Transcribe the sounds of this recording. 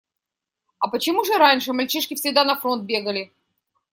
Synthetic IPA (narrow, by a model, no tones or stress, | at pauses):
ɐpət͡ɕɪmuʐɨɾanʲʂɨmɐlʲt͡ɕiʂkʲɪfsʲɪɡd̪anɐfɾo̞nt̪̚bʲe̞ɡəlʲɪ